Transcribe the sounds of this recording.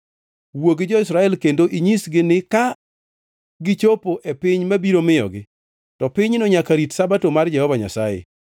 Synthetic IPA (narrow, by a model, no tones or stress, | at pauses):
woɡɪd͡ʒɔɪsɾaɛlkendoʔiɲisɡɪnɪka | ɡɪt͡ʃopoʔepɪɲmabiɾomɪjɔ̰ɡɪ | tɔpɪɲnoɲakaɾitsabatomard͡ʒɛhɔvaɲa̰sajḛ